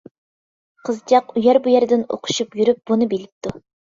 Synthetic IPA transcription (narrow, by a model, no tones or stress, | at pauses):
qʰəzt͡ʃɑqujɛɾbujæɾd̪ɪno̰qʰʊ̥ʃupjyɾyp̚bunɨbelɪp̚t̪ʰu